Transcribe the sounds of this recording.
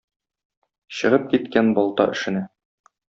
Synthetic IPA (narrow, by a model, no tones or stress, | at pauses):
ɕɤ̆ʁɤp̚kit̪kænbɒlˠt̪ɑ̰ʔɘ̆ʃɘ̆næ